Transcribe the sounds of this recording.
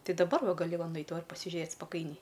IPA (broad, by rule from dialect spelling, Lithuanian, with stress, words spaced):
ˈtɐɪ dɐˈbɐr ˈʋɐ ɡɐˈlʲɪ ˈʋɐ ˈnɐɪt ˈʋɐ pɐsʲɪˈʒʲeːt spɐˈkɐɪnʲɛɪ